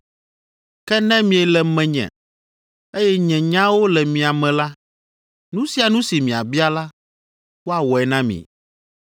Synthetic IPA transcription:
kɛ˦nɛ̃˦mĩ˨ɛ˨lɛ˨mɛ̃˨ɲɛ̰̃˨ | e˦jɛ˦ɲɛ̃˨ɲã˦wo˦lɛ˨mĩ˨a˨mɛ̃˨la˦ | nũ˦si˦a˨nũ˦si˨mĩ˨a˨bi˦a˦la˦ | wo˦a˨wɔ˨ɛ˨nã˦mḭ̃˨

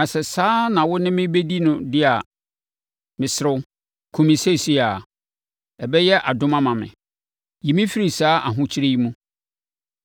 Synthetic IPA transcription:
nã˨sɛ˨saː˦nã˨wʊ˦nɪ̃˦mɪ̃˦be˦di˦nʊ̃˨dɪ˦a˨ | mɪ̃˨sɪ˦ɾʊ˦ | kʰũ˨mĩ˨se˦˨si˦a˨ | ɛ˨bɛ˦jɛ˦ʔa˨dʊ̃˦mã˦mã˨mɪ̰̃˨ | ji˨mĩ˦fi˦ɾi˨saː˦ʔa˨ɦʊ̃˦t͡ɕʰɪ˦ɾe˦i˦mũ˦

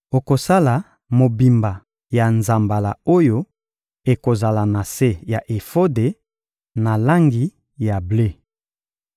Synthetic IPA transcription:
o˨ko˨sa˦la˨ | mo˨bi˨mba˨ | ja˨nza˨mba˨la̰˨o˦jo˦ | e˨ko˨za˨la˨na˨se˦ja˨ʔe˨fo˦de˨ | na˨la˦ŋɡi˨ | ja˨ble˦

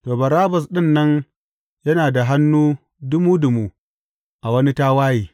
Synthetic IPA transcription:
toː˨bɐ˨ɾaː˦bɐ˨sɗɪ˦nːɐ˦n | jɐ˦naː˨da˨ɦa˦nːuː˦ | dʊ˦muː˦dʊ˨mu˦ | ʔa˨wɐ˦ni˦taː˦waː˦jiː˨

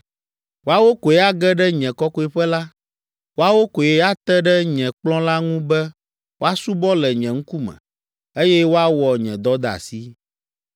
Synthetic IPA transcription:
wo˦a˦wo˦ko˨jɛ˦a˦ɡɛ˦ɖɛ˦ɲɛ̃˨kɔ˦kɔ˦e˨ɸɛ˦la˦ | wo˦a˦wo˦ko˨jɛ˨˦a˦t̪ɛ˦ɖɛ˦ɲɛ̃˨k͡plɔ̃˦la˦ŋũ˦bɛ˦ | wo˦a˦su˦bɔ˦lɛ˨ɲɛ̃˨ŋ̩̃˦ku˦mɛ̰̃˨ | e˦jɛ˦wo˦a˦wɔ˨ɲɛ̃˨d̪ɔ˦d̪a̰˨si˦

